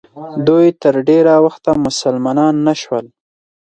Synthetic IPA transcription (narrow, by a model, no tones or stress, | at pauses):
d̪ujt̪əɾɖeɾawaxt̪amʊsalmɑnɑnːaʃwəl